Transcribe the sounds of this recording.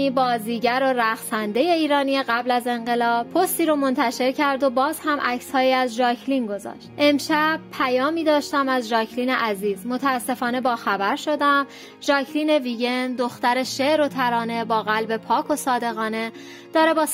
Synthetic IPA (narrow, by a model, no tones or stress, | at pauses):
ibɒːziːɟæɾo̞ɾæxsænd̪e̞je̞iːɾɒːnijeɣæblæze̞ɴɢe̞lɒːb̥pʰːost̪iːɾomo̞nt̪ʰæʃe̞ɾcʰæɾd̪o̞bɒːz̥hæmʔæcshɒːjiːæzʒɒːcʰlinɡo̞zɒ̰ːʃt̪ʔe̞mʃæb̥̚pʰæjɒːmiːd̪ɒːʃt̪æmæzʒɒːcʰliːneʔæziːzmot̪ʰæːsːe̞fɒːne̞bɒːxæbæɾʃo̞d̪æm | ʒɒːcʰliːne̞viːɟe̞nd̪o̞xt̪æɾe̞ʃeʔɾo̞t̪ʰæɾɒːne̞bɒːɣælbe̞pʰɒːkʰo̞sɒːd̪e̞ɣɒːne̞ | d̪̥ɒːɾe̞bɒː